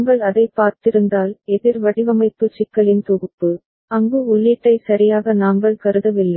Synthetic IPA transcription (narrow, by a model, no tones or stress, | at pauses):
ŋɡɐɭɐðɐɪpːaːɾt̪ɪɾɯnd̪aːlɛðɪɾʋɐɽɪʋɐmɐɪpːɯt͡ʃɪkːɐɭɪnt̪ɔɣɯpːɯ | ɐŋɡɯʊɭːiːʈːɐɪsɐɾɪjaːɣɐnaːŋɡɐɭkɐɾɯðɐʋɪlːɐɪ